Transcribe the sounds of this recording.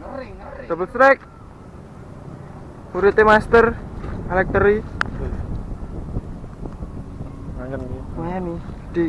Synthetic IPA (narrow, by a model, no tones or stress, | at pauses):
d̥̪ɔbəlst̪ɾɛk̚ | huɾit̪emast̪əralɛk̚t̪əɾi | aŋənni | di